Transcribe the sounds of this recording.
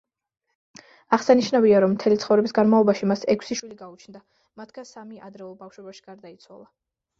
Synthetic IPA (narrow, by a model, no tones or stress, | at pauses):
aʁsaniʃnaviaɾɔmːt̪ʰɛlit̪sχɔvɾɛbisɡanmaɔbaʃimasɛkʷʰsiʃwiliɡaut͡ʃʰnd̪a | mat̪ʰɡasamiad̪ɾɛulˠbafʃwɛbaʃi̥ɡ̥aɾd̪ait̪sʰwa̰lˠa